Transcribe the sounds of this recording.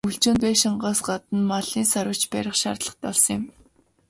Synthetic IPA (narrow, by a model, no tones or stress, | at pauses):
uɬt͡ɕoːnt̪eːʃiɴɢaːsɢat̪ə̆nmaɮiːnsaɾə̆t͡ɕpæɾʲɪ̆χʃa̰rt̪ɮə̥̆χt̪ɔɮsɞ̆ŋjɪ̆m